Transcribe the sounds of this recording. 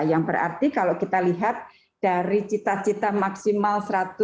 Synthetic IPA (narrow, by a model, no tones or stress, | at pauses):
jaŋbəra̰rt̪ikalokit̪aliɦat̪̚ | d̥aɾit͡ʃit̪aht͡ʃit̪amaksimalsəɾat̪ʊ